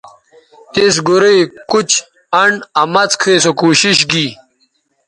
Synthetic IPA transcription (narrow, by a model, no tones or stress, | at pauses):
t̪is̬ɡuɾijkut͡ɕ | ɐɳɐmɐt͡skʰeːsokuːɕiɕɡi